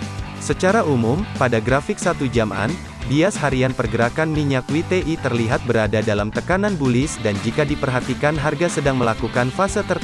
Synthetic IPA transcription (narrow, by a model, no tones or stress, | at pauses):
sət͡ʃaɾaʔumʊmpadaɡɾafɪk̚sat̪ud͡ʒama̰n | biashaɾianpərɡəɾakanmiɲak̚wit̪eʔit̪ərliɦat̪̚bəɾadadalamt̪əkananbulɪsdand͡ʒikadipərɦat̪ikanɦarɡasədaŋməlakukanfasət̪ər